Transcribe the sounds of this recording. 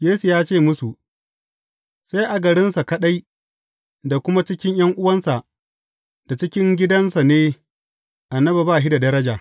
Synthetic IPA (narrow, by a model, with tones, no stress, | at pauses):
jeː˦su˨jaː˦t͡ʃeː˦˨mʊ˦su˨ʔ | sa˦jʔa˨ɡɐ˨ɽɪ˦nsa˨kɐ˦ɗa˦j | da˨kʷʊ˦ma˦t͡ʃɪ˦kʲɪ˦ɲj̰ɐ˦ŋʔʊ˦wɐ˦nsa˨ʔ | d̥a˨t͡ʃɪ˦kʲɪ˦ŋɡʲɪ˦dɐ˦nsa˨neː˦ | ʔa˨nːɐ˦ba˨baː˦˨ɦi˦da˨dɐ˦ɾɐ˦d͡ʒaː˨